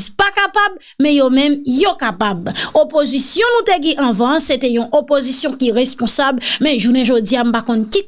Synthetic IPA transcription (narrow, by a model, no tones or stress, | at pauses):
zpakapab | mɛ̃jomɛ̃mjokapabopozisjɔ̃nũt̪eɡɛ̃ʔɐ̃vɑ̃set̪ɛjɔ̃ʔopozisjɔ̃kiʁespɔ̃sablmɛ̃ʒunɛ̃ʒod͡ziam̩pakɔ̃nki